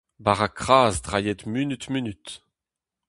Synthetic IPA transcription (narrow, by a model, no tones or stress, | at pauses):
baʁakχaːzdʁajɛt̪mynyt̪mynyt̪